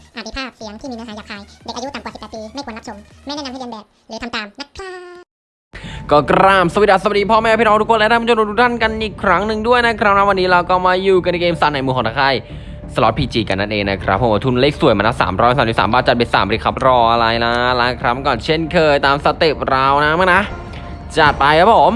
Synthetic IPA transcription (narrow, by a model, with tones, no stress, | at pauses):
ʔaː˨˩i˧pʰaː˥˩p̚si˨˦əŋt̪ʰiː˥˩mi˧na˧˩aː˨˦jaː˨˩kʰaː˧jdaː˧˦˩ʔaː˧˩u˦˥taː˨˩mwaː˨i˨˩p̪̚ːpiː˧ma˥˩kwaː˨na˦˥t͡ɕʰo˨˩˦m | m˥˩jnɛː˥˨a˧mʰhʰa˥˩aː˧bɛː˨˩lɛː˨˦kʰa˧mt̪aː˨˩mna˦˥k̪ʰaː˧˥˩ | kɔː˥˩kɾaː˧˩msa˧˩wi˧˥t̚ʔa˧˩sa˨b̚diː˧pʰɔː˥˩mɛː˥˩˨pʰi˥ʔɔː˧t̪ʰu˥kʰːnlt̪aː˥˩kʰo˧o˧t̪u˥t̪ʰa˥˩nka˧nʔiː˨˩kʰːɾa˦˥ŋnɯ˨ŋdu˥˩əjna˦˥kʰɾa˦˥wnaː˧˦˥wa˧nːiː˦˥ɾa˧wkɔː˥˩maː˧juː˨˩ka˧n˧keː˧msa˨˩˦nːa˨˩jmu˧˩kɔː˨˦t̪ʰa˧kʰa˧˥˩j | sa˧lɔ˦˥pʰiː˧t͡ɕiː˧˩ka˧nːa˥˩nʔeː˧˩ŋna˦˥kʰɾa˦pʰːwaː˧˩t̪ʰu˥˩n˧leː˥˩k̚su˨˩əjmaː˧na˧˥˩sa̰ː˩˦mɾɔ˦˥jsaː˨˦˨iː˦˥a̰ː˩˦mbaː˧˩t͡ɕa˨˩t̚e˧sa̰ː˨˩˦bɔ˧ɾi˧kʰa˦˥p̚ɾɔː˧ʔa˧ɾa˧jna˦˥˦laː˦˥kʰɾa˦˥m˧kɔː˨˩nt͡ɕʰe˥˩nkʰɤː˧jt̪aː˧msa˧t̪i˨˩p̚ɾaː˧˥wna˦˥maː˥˩na˦˥ | t͡ɕa˨˩t̪̚pa˧jka˧˥pʰo˩˦m